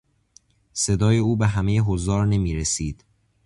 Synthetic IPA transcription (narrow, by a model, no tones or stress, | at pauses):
se̞d̪ɒːje̞uːbeɦæmejeɦozɒːɾne̞miːɾesiːd̪̥